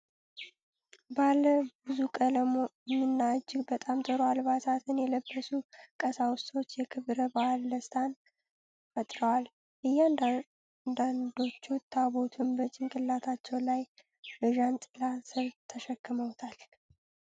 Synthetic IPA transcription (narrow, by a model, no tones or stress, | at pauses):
baləbɨzukʼələmoɛmːɨnːad͡ʒːɪɡbət̪ʼamt̪ʼəɾoalβat̪ʰat̪ʰɨnjɛləbːəsukʼəsawʊst̪ʼo̞t͡ʃːjɛkʰɨβɾəbalːəst̪ʰʼan | fət̪ʼɾəwal | ʔɨjːan | nd̪and̪o̞t͡ʃːuwt̪ʰːabo̞t̪ʰunbət͡ʃʼːɪŋkʼɨlːat̪ʰat͡ʃːɛwlaj | bɨʒant̪ʼɨlasɨβt̪ʰːəʃəkːɨməwt̪ʰal